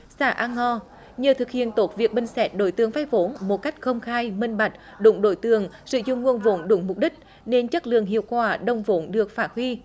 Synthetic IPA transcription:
sa̰ː˧˩ʔaː˧ŋːɔ˧ | ɲəː˨˩t̪ʰɨ˨˩k̚hḭ˧˨ənt̪o˨˦˥t̚vi˨˩ək̚ɓï˧˩ŋ̟sɛ˨˦˥t̚ɗo˧˩˦jt̪ɨ˨˦əŋfaː˧jvo˨˦nmo˨˩t̚ka˦˥jk̟̚xə˧wŋ͡mxaː˧jmï˧ŋ̟ɓa˨˩jk̚ | ɗʊ̰˧˥ŋ͡mɗo˧˩jt̪ɨ˧˩əŋsɨ̰˧˨zʊ̰˧˨ŋ͡mŋu˧ənvo˨˦nɗʊ̰˧˩˦ŋ͡mmʊ˨˩k͡p̚ɗï˦˥k̟̚ | ne˧nt͡ɕə˦˥t̚lɨ̰˧˨əŋɦḭ˧˨əwkwaː˧˩ɗə˧˩wŋ͡mvo˨˦nɗɨ˨˩ək̚faː˧˥t̚hwi˧

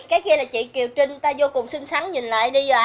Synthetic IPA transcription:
kaː˨˦jki˧laː˨˩t͡ɕḭ˧˨ki˨˩əwt͡ɕï˧ŋt̪aː˧zo˧kʊ˨˩wŋ͡msï˧ŋsa˨˦ŋɲi˨˩nla̰ː˧˨jɗi˧zɔː˧˩ʔ

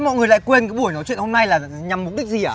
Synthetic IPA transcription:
mɔ̰˧˨jŋɨ˨˩əjla̰˧˨kwe˧nkaː˨˦ɓəjnɔ˨˦jt͡ɕwḭ˧˨ə˨nho˧mna˧jlaː˨˩ | ɲa˨˩mːʊ˨˩k͡p̚ɗi˦˥k̟̚zi˨˩əː˧˩

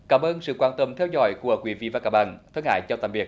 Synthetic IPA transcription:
kaː˧˩mʔəː˧nsɨ̰˧˨kwaː˧nt̪ə˧˩mt̪ʰɛ˧wzɔ̰˧˨jku˧˩əkwi˧˦vḭ˧˨vaː˨˩kaː˧˩k̚ɓa̰ː˧˨nt̪ʰə˧nha̰ː˧˨jt͡ɕɔ˧t̪aː˧˨˩mvi˨˩ək̚

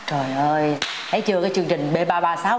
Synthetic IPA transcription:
t͡ɕo˨˩jʔəː˧j | t̪ʰə˨˦jt͡ɕɨ˧əkaː˨˦jt͡ɕɨ˧əŋt͡ɕï˨˩ŋ̟ɓe˧˩ɓaː˧ɓaː˧saː˨˦w

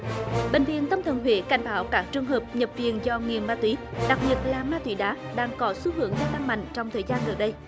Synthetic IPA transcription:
ɓḛ̈˧˨ŋ̟vḭ˧˨ənt̪ə˧mt̪ʰə˨˩nɦwḭ˧˨˦ka˧˩jŋ̟ɓaː˨˦wkaː˦˥k̚t͡ɕɨ˨˧əŋɦəː˨˩p̚ɲə˨˩p̚vḭ˨ənzɔ˧ŋi˨˩əmːaː˧t̪wi˨˦ɗa˨˩k̚ɓi˨˩ət̚laː˨˩maː˧t̪wḭ˨˦ɗaː˨˦ | ɗaː˧ŋkɔ˨˦su˨˦ɦɨ˨˧˦əŋzaː˧t̪a˧ŋma̰˧˨jŋ̟t͡ɕɔ˧wŋ͡mt̪ʰəː˨˩jzaː˧nɣə˨˩ɗə˧j

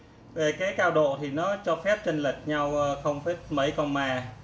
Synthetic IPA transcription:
ve˨˩kaː˨˦jkaː˧wɗo̰˧˨t̪ʰi˨˩nɔ˨˦t͡ɕɔ˧fɛ˦˥p̚t͡ɕə˧nlə˨˩t̚ɲa˧wːxə˧wŋ͡mfe˦˥t̚mə˨˦jkɔ˧nmaː˨˩

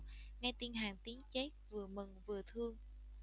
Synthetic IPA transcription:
ŋa˧jt̪i˧ənɦaː˧˩ŋt̪i˨˦əŋt͡ɕe˦˥t̚vɨ˨˩əmə˨˩nvɨ˨˩ət̪ʰɨ˧əŋ

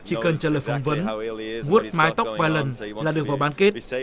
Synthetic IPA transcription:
t͡ɕi˧˩˦kə˨˩nt͡ɕəː˧ləː˨˩jfɔ˧˩wŋ͡mvə˨˦nvu˦˥ət̚maː˨˦jt̪wk͡p̚vaː˧jlə˨˩nlaː˨˩ɗɨ˨˩ək̚vaː˨˩wɓaː˨˦nke˦˥t̚

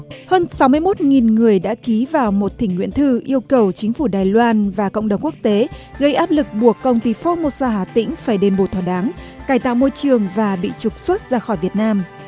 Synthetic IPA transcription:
həː˧nsa˨˦wmɨ˧əjmo˦˥t̚ŋi˨˩nŋɨ˨˩əjɗa̰ː˧˥ki˨˦vaː˨˩wmo˨˩t̚t̪ï˧˩ŋ̟ŋwḭ˧˥ənt̪ʰɨ˧ʔi˧əwkə˨˩wt͡ɕï˨˦ŋ̟fu˧˩ɗaː˨˩jlwaː˧nvaː˨˩kə̰˧˨ŋ͡mɗə˨˩ŋ͡mku˦˥ək̚t̪e˨˦ɣə˧jʔaː˦˥p̚lɨ˨˩k̚ɓu˨˩əkːə˧wŋ͡mt̪i˧fɔ˧mo˧saː˧ɦaː˧˩t̪ḭ˧˥ŋ̟faː˧˩jɗe˨˧˩nɓo˧˩t̪ʰɔ˧˩ɗaː˨˦ŋ | kaː˧˩jt̪a̰ː˧˨wmo˧jt͡ɕɨ˨˩əŋvaː˨˩ɓḭ˧˨t͡ɕʊ˨˩k͡p̚swə˦˥t̚zaː˧xɔ˧˩jvi˨˩ət̚naː˧m

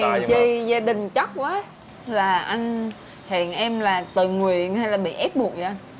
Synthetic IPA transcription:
nt͡ɕi˧zaː˧ɗï˨˩ŋ̟t͡ɕa˦˥k̚ʔaː˨˦ | laː˨˩ʔa˧jŋ̟ | hɛ̰˧˨nʔɛ˧mlaː˨˩t̪ɨ˨˩ŋwḭ˧˨ənha˧jlaː˨˩ɓḭ˧˨ʔɛ˦˥p̚ɓu˨˩ənzʔa˧ŋ

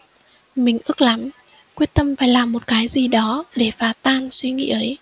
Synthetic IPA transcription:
mï˨˩ŋ̟ʔɨ˦˥ək̚la˨˦m | kwi˦˥ət̚t̪ə˧mfaː˧˩jlaː˨˩mːo˨˩t̚kaː˨˦jzi˨˩ɗɔ˨˦ɗe˧˩faː˨˦t̪aː˧nswi˧ŋḭ˧˥ʔə˨˦j

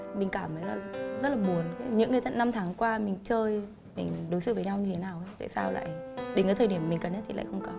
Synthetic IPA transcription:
mï˨˩ŋ̟kaː˧˩məː˨˦jlaː˨˩zə˦˥t̚laː˨˩ɓu˨˩ənka˨˦ɲɨ̰˧˥ŋːɨ˨˩t̪ə̰˧˨nːa˧mt̪ʰaː˨˦ŋkwaː˧mï˨˩ŋ̟t͡ɕəː˧j | mï˨˩ŋ̟ɗo˨˦jsɨ̰˧˨vəː˨˦ɲa˧wɲɨ˧t̪ʰe˨˦naː˨˩wʔə˨˦jt̪a̰ː˧˨saː˧wla̰ː˧˨jɗe˨˦nkaː˨˦t̪ʰːɗi˧˩əm˨mï˨˩ŋkə˨˩nɲə˦˥t̪ʰi˨˩a̰ː˧˨xə˧wŋ͡mkə˨˧˩n

